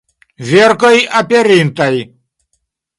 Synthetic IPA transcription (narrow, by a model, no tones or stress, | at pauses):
vʲerkəjapʲeɾint̪aj